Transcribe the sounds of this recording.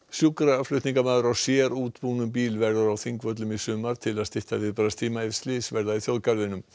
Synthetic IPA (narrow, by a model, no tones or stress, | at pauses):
sjukɾaaflʏɥt̪niŋkamaːðʏɾawsjɛːɾuːt̪puːnʏmp̬iːlvɛɾðaɾawθiŋkvœt̪̬lʏmisʏːmaɾ̥t̪ʰɪlaðst̪ɪht̪avɪɾpɾast̪ʰiːmaɪ̥slɪsvɛɾðaðiθjowðkaɾðɪnʏm